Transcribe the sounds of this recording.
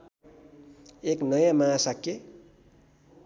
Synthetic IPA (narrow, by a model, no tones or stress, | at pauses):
eknʌjãmasakːe